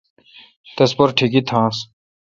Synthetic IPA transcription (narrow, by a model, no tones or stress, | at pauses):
t̪espɐɾʈʰikit̪ʰãːs